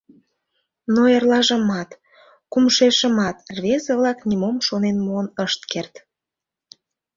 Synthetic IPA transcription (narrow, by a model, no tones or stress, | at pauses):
noerlɑʒə̆mɑt̪ | kumʃeʃəmɑt̪rβʲezəβlɑknʲimomʃonenmoənəʃt̪̚kert̪